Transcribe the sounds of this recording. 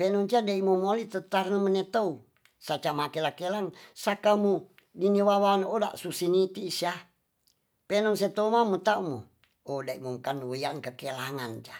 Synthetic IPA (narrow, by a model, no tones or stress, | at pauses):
penɔŋt͡ʃadaimomolit̪ət̪arnəmənet̪ou | sat͡ʃamakelakelaŋsakamu | diniwawanoda̰ʔsusinit̪isia | penɔŋset̪oumamut̪aumo̰ | odaimuŋkanjaŋkəkelaŋand͡ʒa